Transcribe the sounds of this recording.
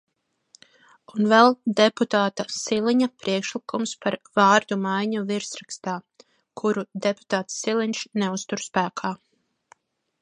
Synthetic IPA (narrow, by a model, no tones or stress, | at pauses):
unvɛlˠd̪eput̪aːt̪asiliɲapɾiɛkʃlikumspaɾvɑːɾd̪umajɲuviɾsɾakst̪aː | kʰuɾud̪ɛpu̥t̪aːt̪sːilˠinʃneust̪uɾspæːkʰaː